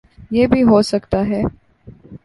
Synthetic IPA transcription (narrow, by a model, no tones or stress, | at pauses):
jeːbʱiɦoːsɐkt̪aɦɛː